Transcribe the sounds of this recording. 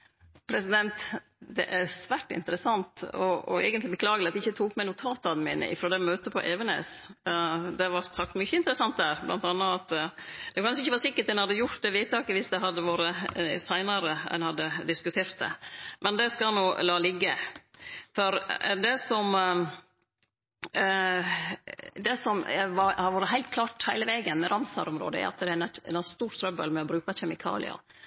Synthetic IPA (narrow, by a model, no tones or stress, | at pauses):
pʰɾɛsɪd̪ɛnt̪ | d̪ɛ̰ʔæsʋæːʈːɪ̰nt̪əɾəsɑnt̪ɔɔɛ̰ɪɡənt̪lɪbəkʰlɑːɡəlɪɑt̪ɪçːət̪ʰuːkmæɪnuːt̪ʰɑːt̪ɑnmḭːnə̰ʔɪ̰fɾoːd̪ɛmøːt̪əpʰɔ̰ʔeːʋənḛːs | d̪ɛʋɑɾt̪sɑk̚t̪mʏçːəɪnt̪əɾəsɑnt̪̚d̪æɾblʔɑ̰nt̪ɑnːəɑt̪d̪̥ɛkʰɑnʂəɪçːəʋɑʂɪkːəɾæɛnhɑd̪ːəjʊɾt̪̚d̪ɛʋiːt̪ɑːkəʋɪsd̪ɛɦɑd̪ːəʋoːɾəsæɪnɑɾəɛ̰nhɑd̪ːəd̪ɪskʉt̪ʰeːɾt̪̚d̪ɛ̰mʔɛnd̪ɛskɑlnuːlɑːlɪɡːə | fɔɾd̪ɛsɔm | d̪ɛsɔmʋɑɾhɑɾʋuːɾəɦæɪlt̪̚kʰlɑːʈhæɪləʋɛːɡənmɛɾʔɑmsɑ̰ɾɔmɾo̰ːd̪əæ̰ʊɑ̰t̪d̪ɛænɛɛ̰nɔst̪uːɾt̪ʰɾœbə̰lmɛɔbɾʉːkɑɕɛmɪkʰɑ̰ːlɪ̰ɑ̰